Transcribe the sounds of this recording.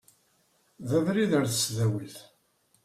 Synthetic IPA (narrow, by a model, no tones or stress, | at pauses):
ðævɾiðəɾθəsðæwəlθ